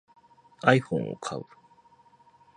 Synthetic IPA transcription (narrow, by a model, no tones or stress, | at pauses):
ajhõ̰ŋo̰kʰa̰ɯ